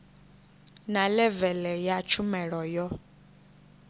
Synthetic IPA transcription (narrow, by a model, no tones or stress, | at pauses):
nalɛvɛlɛjat͡ʃʰumɛɺɔjɔ